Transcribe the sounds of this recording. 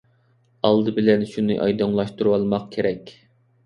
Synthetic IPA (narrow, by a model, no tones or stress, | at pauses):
ɑlˠd̪ɨbɪlɛnʃunɨʔɑjd̪ɨŋlˠɑʃt̪uɾuwɑlˠmɑq̚kʲʰeɾɛkʲ